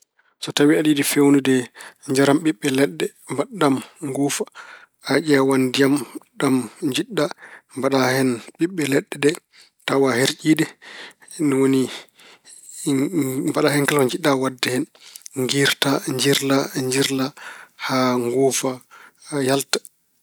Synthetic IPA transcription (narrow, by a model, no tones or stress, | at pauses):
sɔtawiaɗiːdifewnudɛɲd͡ʒaɾamɓiɓːɛlɛɗːɛ | mbaamŋɡuːfa | aʔɛwandijamɗamɲd͡ʒiɗːambaɗahɛnɓiɓːɛlɛɗːɛdɛ | tawaheɾt͡ʃiːdɛ | niwoni | mbaɗahɛnkalkaɲd͡ʒiɗːawadːɛhɛnŋɡiɾtaɲd͡ʒiɾlaɲd͡ʒiɾlahaŋɡuːfajaltḁ